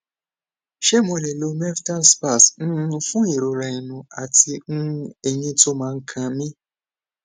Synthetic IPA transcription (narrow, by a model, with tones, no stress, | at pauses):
ʃe˦mo˧˨le˨lo˧˦me˦fta˦n˦spa˦˨sn̩˦nũ˧fũ˦i˨ɾo˨ɾa˨i˨nũ˨a˨ti˧n̩˦e˨ɲĩ˦to˦mãː˨˧ŋ̩˦kʰã˧mĩ˦